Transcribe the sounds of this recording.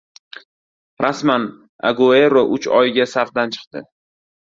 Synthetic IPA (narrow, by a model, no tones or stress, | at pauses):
ɾʔasman | a̰ɡoeɾoʔʊt͡ʃɒjɡʲasaɾd̪ant͡ʃʰɨ̥qt̪ɪ